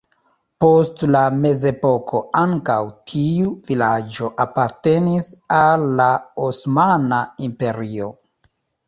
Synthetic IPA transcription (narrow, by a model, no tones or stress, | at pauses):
po̞stlame̞ze̞po̞kʰo̞aŋkawtʰiuvilad͡ʒo̞ʔapaɾte̞nisalːaosmanaimpe̞ɾio̞̰